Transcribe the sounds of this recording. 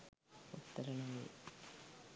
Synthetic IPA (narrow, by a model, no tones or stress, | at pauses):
ut̪ːɐɾɐɳɐŋɐɭ